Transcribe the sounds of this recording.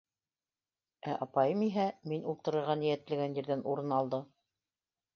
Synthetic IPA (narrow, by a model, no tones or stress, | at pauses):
æʔɑpɑjɤmiɦæminulˠt̪ɤ̆ɾɤ̆ɾʁɑnĭjæt̪lɘ̆ɡænjɘ̆ɾðænuɾɤnɑlˠd̪ɤ